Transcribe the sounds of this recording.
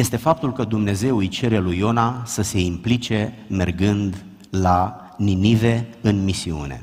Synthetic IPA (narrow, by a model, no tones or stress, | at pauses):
je̞st̪e̞fap̚t̪ulkəd̪umne̞ze̞wujt͡ʃe̞ɾelujo̞nasəse̞implit͡ʃe̞ | me̞rɡɨnd̪ | la | ninive̞ɨnmisiṵne̞̰